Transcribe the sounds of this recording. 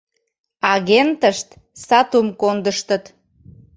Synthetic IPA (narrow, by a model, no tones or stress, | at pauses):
ɑɣent̪əʃt̪ | sɑt̪umkond̪əʃt̪ət̪